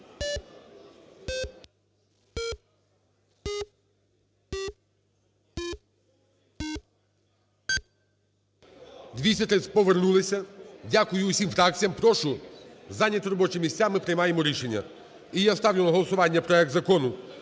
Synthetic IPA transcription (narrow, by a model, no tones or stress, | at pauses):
d̪ʲʋʲisʲɐt̪ɾɪsʲpɔʋernulˠɪsʲɐdʲakʊjʊːsʲimfɾak̪̚t͡sʲijɐmpɾɔʃʊzanʲːɐt̪ɾɔbɔt͡ʃɪmʲisʲt͡sʲamɪpɾejmajemɔɾʲiʃenʲːɐ̰ | ijast̪awlʲʊnɐɦɔlˠɔsʊʋɑnʲːɐpɾɔɛk̚t̪zɐkɔnʊ